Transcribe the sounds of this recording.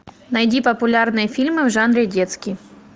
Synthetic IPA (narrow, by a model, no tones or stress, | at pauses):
nɐjdʲipɐpʊlʲarnɨjɛfʲilʲmɨvʐanɾʲɪdʲɛt̪skʲi